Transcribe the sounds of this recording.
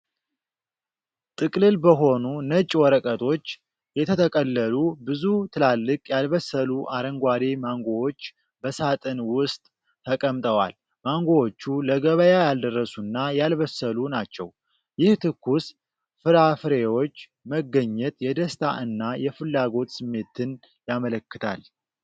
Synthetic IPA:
t̪ʼɨkʼlɨlbəɦo̞nunət͡ʃʼːwɔɾəkʼət̪ʰo̞t͡ʃː | jɛt̪ʰət̪ʰəkʼəlːəlubɨzut̪ʰɨlalːɨkʼjalβəsːəluʔaɾəŋɡʷad̪emaŋɡo̞wo̞t͡ʃː | bəsat̪ʼɨnwʊst̪ʼ | t̪ːʰəkʼəmt̪ʼəwa̰l | maŋɡo̞wot͡ʃːuləɡəβəjajald̪ərːəsunːajalβəsːəlunat͡ʃːɛw | jɪht̪ʰɨkːus | fɨɾafɨɾewo̞t͡ʃː | məɡːəɲːɛt̪jɛd̪əst̪ʰa̰ʔɨnːajɛfɨlːaɡo̞t̪sɨmːe̞t̪ʰɨn | jamələkːɨt̪ʰa̰l

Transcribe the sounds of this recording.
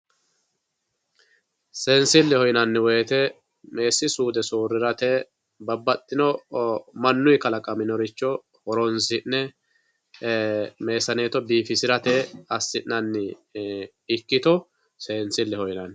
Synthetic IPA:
seːnsɪlːɛhɔjnɐnːɪweːt̪ɛ | me̞ːsːɪsuːd̪ɛsoːrːɪɾɐt̪eː | bɐbːɐt̪ʼːɪnɔmɐnːʊjkɐlɐkʼɐmɪnɔɾɪt͡ʃːɔ | hɔɾɔnsɪnːɛ | me̞ːsɐne̞ːt̪ɔbiːfɪsɪɾɐt̪eːɐsːɪnnːɐnːɪ | ɪkːɪt̪ɔ | seːnsɪlːɛhɔjnɐn

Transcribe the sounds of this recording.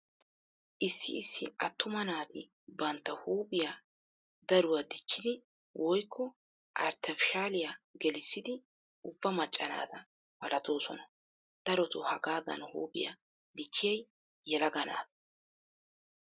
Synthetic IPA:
ʔɪsːɪ̰ːsːɪ̰ɐt̪ːʊmɐnaːt̪ɪ | bɐnt̪ːɐhuːpʼɪja | d̪ɐɾʊwɐd̪ɪkːɪd̪ɪ | wʔɔjkʰːɔ | ʔɐɾt̪ʰɛfɪʃaːlɪjaɡɛlɪsːɪd̪ɪ | ʊbːɐmɐt͡ʃʼːɐna̰ːt̪ɐ | bɐlɐt̪o̞ːsɔnɐ | d̪̥ɐɾɔt̪ʊhɐɡaːdɐ̰nhṵːpʼɪja̰ | d̪ɪkːɪjɛjː | ɛlɐɡɐna̰ːt̪ɐ

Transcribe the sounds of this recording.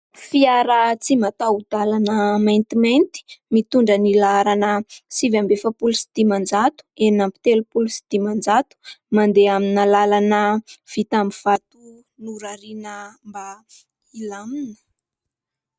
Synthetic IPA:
fiaɾat͡simat̪aud̪̥alanəmajnt̪imejnt̪i̥mit̪uɳɖ͡ʐənilaɾanəsivambefəpulusi̥d̪̥imand͡zat̪u̥enampi̥t̪elupulusi̥d̪̥imand͡zat̪u̥mand̪eaminalalanəv̥it̪ambiv̥at̪u | nuɾaɾinəmba | ilaminə̥

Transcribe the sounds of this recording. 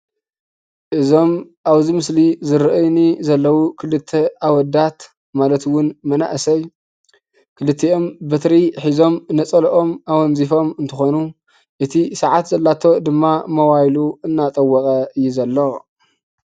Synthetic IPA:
ʔɨzo̞m | ʔaβzimɨslizɨɾɨʔɨjnizɐlːɐwukʰɨlɨt̪ʰːeʔawɔd̪at̪ | malɐt̪wʊnmɐna̰ʔsɐj | kʰɨlɨt̪ʰːeʔo̞mbɐt̪ɾiħizo̞mnɐt͡sʼɐlʔo̞mʔawɔnzifo̞mɨnt̪ʰɨxonu | ʔɨt̪ʰisaʕat̪zɐlːat̪ʰo̞d̪ɨmːamɐwajluɨnːat̪ʼɐwːɔkʼɐɨjːuzɐlːo

